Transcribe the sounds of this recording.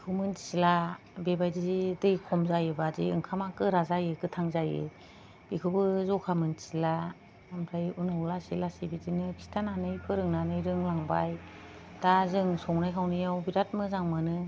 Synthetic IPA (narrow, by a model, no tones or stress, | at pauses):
bikʰɯmɯnsila | bebajdizidɯjkʰɔmzajɯbadḭɯŋkʰamakɯɾazajɯkɯtʰaŋzajɯ̰ | b̥ikʰɯbɯzɔkʰamɯnsila | mɾajunɯwlasilasibidinɯkʰi̥stʰananɯjpʰɯɾɯŋnanɯjɾɯŋlaŋba̰j | d̥azɯŋsɔwnajkʰawnijawbiɾat̚mɯzaŋmɯnɯ